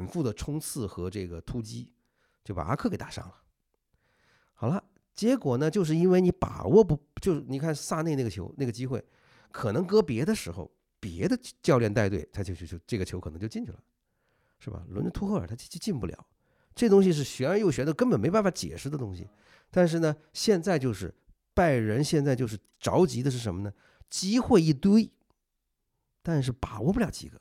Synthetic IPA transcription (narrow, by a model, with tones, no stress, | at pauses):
nfu˥˩d̪ə˩ʈ͡ʂʰʊ˥ŋt͡sʰɹ̩˥˩xɤ˧˥ʈ͡ʂɤ˥˩ɡə˩t̪ʰu˥t͡ɕi˥ | t͡ɕjo˥˩ʊpa̰˨˩a̰˥kʰɤ˥˧kɪḁ˨˥˩ʂɑ̰˥ŋlə˨ | xɑ˨˩ʊlə˦ | t͡ɕjɛ˧˥kwɔ˨˩nə˦t͡ɕjo˥˧ʊʂ̬ɻ̩˥˩i˥nwe˥˧ɪni˧˥pa̰˨˩wɔ˥˧pt͡ɕjo˥˧ʊʂni˨˩kʰa˥˩n̩˥˧sa˥˧ne˥˧ɪ˥˩ɡə˩t͡ɕʰjo̰˧˥ʊna˥˩ɡə˩t͡ɕi˥xwe˥˩ɪ | kʰɤ˨˩nɤ˧˥ŋkɤ˥pjɛ˧˥d̪ə˧ʂɻ̩˧˥xo̰˧ʊ | pjɛ̰˧˥d̪ə˧t͡ɕjɑ˥˧ʊljɛ˥˧nt̪a˥˧ɪt̪we˥˩ɪt͡s̪ʰa˥t͡ɕjo˥˧ʊt͡ɕʰy˥˧t͡ɕjo˥˧ʈ͡ʂɤ˥˩ɡət͡ɕʰo˧˥kʰɤ˨˩n˧ŋ˥t͡ɕo˥˧t͡ɕi˥˧nt͡ɕʰy˥˩lə̰˩ | ʂɻ̩˥˩bɐ̰˩lə˧˥nə˥˧t̪ʰu˥xɤ˥˩ə̰˞˨˩t̪ʰa˥t͡ɕi˥˩t͡ɕʰt͡ɕi˥˧npu˥˩ljɑ̰˨˩˦ʊ | ʈ͡ʂɤ˥˩ə˩ʊ˥ŋ˥ɕ̬i˧ʂ̬ɻ̩˥˩ɕɥɛ˧˥ə˧˥jo˥˩ʊɕɥɛ˧˥nt̪o˥˧kə˥npə˨˩nme˧˥a˥˩nfa˧˥˦t͡ɕjɛ̰˨˩ʂɻ̩˥˩d̪ə˩t̪ʊ˥ŋɕḭ˨ | t̪a˥˧nʂ̬ɻ̩˥˩nə˩ɕjɛ˥˧nt͡sa˥˧ɪt͡ɕjo˥˧ʊʂɻ̩˥˧ | pa˥˩ɪɻə˧˥nɕjɛ˥˧nt͡sa˥˧ɪt͡ɕjo˥˧ʊʂ̬ɻ̩˥˩ | ʈ͡ʂɑ̰˧˥ʊt͡ɕi˧˥d̪ə˧ʂɻ̩˥˩ʂə˧˥nmə˧nə˩ | t͡ɕi˥xwe˥˧ɪi˥˩t̪we˥ɪ | t̪a˥˧nʂ̬ɻ̩˥˩pa˨˩wɔ˧˥pu˥˧ljɑ˨˧˥ʊt͡ɕḭ˧˥˩ɡə̰˧˦